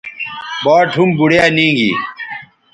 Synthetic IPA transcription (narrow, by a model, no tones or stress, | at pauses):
baːʈʰumbuɽjaːnĩːŋɡḭ